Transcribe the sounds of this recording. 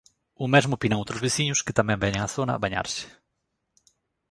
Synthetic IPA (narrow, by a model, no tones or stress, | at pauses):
ʊmezmʊpinɐ̃w̃t̪ɾopesiɲʊskɪt̪amɛ̃mbɛɲẽŋaθonɐ̰βaɲa̰ɾsɪ̥